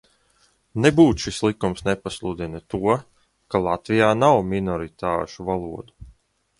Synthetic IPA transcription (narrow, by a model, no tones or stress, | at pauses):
nebuːt̪ʃislˠikumsnepaslˠud̪inɨt̪uɔ | kalˠat̪vijaːnawminɔɾit̪aːʃuvalˠuɔd̪u